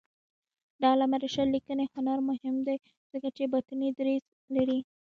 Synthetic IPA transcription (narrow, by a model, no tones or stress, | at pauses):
ɖ̪ɑlamaɾeʃalikənexanɑɾmʊhɪmd̪aj | z̥əkat͡ʃebat̪anid̪ɾez | laɾi